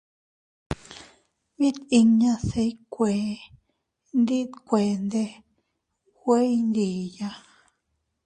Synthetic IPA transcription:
mĩ˦t̪i˧ɲã˧se˧jkʷe˨ | nd̪i˦t̪kʷe˨nd̪e˧ | we˦jnd̪i˨ja˧

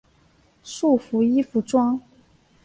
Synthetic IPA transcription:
ʂu˥˩fu˧˥i˥fu˧˥ʈ͡ʂwɑ˥ŋ

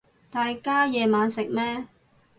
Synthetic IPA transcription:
t̪aː˨˧jkaː˥jɛː˨˧maː˨˧nsɪ˨k̚mɛː˥

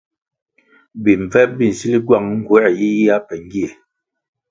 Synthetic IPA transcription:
bi˨ɱ̩˨b͡vɛ˦bi˦˨n̩˨si˦li˦ɡwa˦˨ŋŋ̩˦ɡwɛ˦˨ji˦a˦pɛ˨ŋ˦ɡi˦e˨

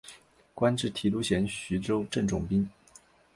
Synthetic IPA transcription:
kwa˥nʈ͡ʂɻ̩˥˩t̪ʰi˨˥lu˧˥ɕjɛ˧˥nɕy˧˥ʈ͡ʂo˥ʊʈ͡ʂə˥˩ŋʈ͡ʂʊ̰˨˩ŋpi˥ŋ

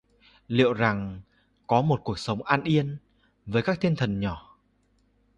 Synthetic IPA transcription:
lḭ˧˨əwza˨˩ŋ | kɔ˨˦mo˨˩t̚ku˨˩ək̚sə˨˦wŋ͡mʔaː˧nʔi˧ən | vəː˨˦jkaː˦˥k̚t̪ʰi˧nt̪ʰə˨˩nɲɔ˧˩

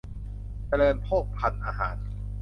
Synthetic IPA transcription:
t͡ɕa˧lɤː˧npʰoː˥˩k̚pʰa˧nʔaː˧ɦa̰ː˩˦n

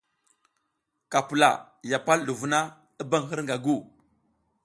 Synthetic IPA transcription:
ka˨pu˨la̰˨ | ja˨pa˦lɗu˨vu˨na˦ | i˦ba˦ŋɦi˦ɾŋɡa˨ɡu˦˨

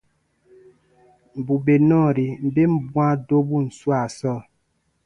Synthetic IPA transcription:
m̩˨bu˨be˨nɔ˦˨ɾi˨m̩˨be˦m̩˦bwa˦do˦bu˦n̩˨swa˦˨sɔ˦˨

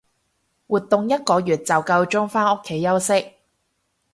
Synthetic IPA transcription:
wuː˨t̪ːʊ˨ŋjɐ˥t̚kɔː˨˧jyː˨˩t̚t͡sɐ˨wkɐ˧wt͡ʃʊ˥ŋfaː˥no˥kʰːe˨˥jːɐ˥wsɪ˥k̚

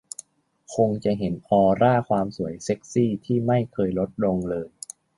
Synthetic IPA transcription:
kʰo˧ŋt͡ɕa˨˩ɦe˩˦nɔː˧ɾaː˥˩kʰwaː˧msu˩˦əjse˦˥k̚siː˥˩t̪ʰiː˥˩ma˥˩jkʰɤː˧jlo˦˥t̪̚lo˧ŋlɤː˧j

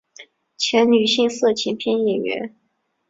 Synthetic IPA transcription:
t͡ɕʰjɛ˧˥nny˨˩ɕi˥˧ŋsɤ˥˩t͡ɕʰɛ˧˥npʰjɛ˥njɛ˨˩ɥɛ̰˧˥n

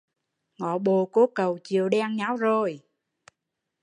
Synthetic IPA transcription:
ŋɔ̰˧˨ɓo˨˩ko˨˦kə˨˩wt͡ɕi˨əwɗɛ˧ŋɲa˨˦˥wzo˨˩j

